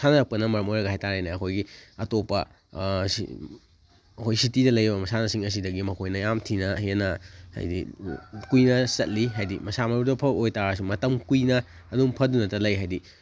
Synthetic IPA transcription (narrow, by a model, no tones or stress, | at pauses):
sanɐɾɐk̚pɐnɐmɐɾɐmojɾɐɡɐhajtaɾajnɐɐkʰojɡiɐtopɐ̰ | ɐkʰojsitidɐlɐjɾɐbɐmɐsanɐsiŋɐs̬idɐɡimɐkʰojnɐjamtʰinɐhiɐnɐha̰jdḭkujnɐsɐt̚liɦajdimɐsamɐɾudɐpʰɐojtaɾas̬umɐtɐmkujnɐː | duŋpʰɐdunɐtɐlɐjɦajdi